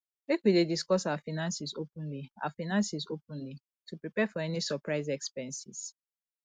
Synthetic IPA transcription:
mekwidediskɔsawafinãnsizopũnlia̰wafinãnsisopũnli | tʰupɹipɛfɔɛnisɔpɹaɪzɛkspɛ̃nsis

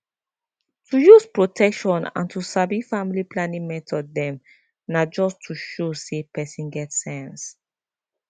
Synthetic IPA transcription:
tʰujuspɹotʰɛkʃɔ̃nã̰ntʰusabifamiliplãnĩŋmɛtʰɔdːɛ̃m | nad͡ʒɔstʰuʃosepɛsĩnɡɛtsɛ̃ns

